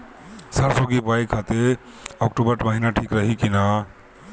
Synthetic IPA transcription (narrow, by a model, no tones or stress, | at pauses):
saɾsoɡibajkʰat̪e | ɔkʈubəɾʈməɦinaʈʰikɾəɦikina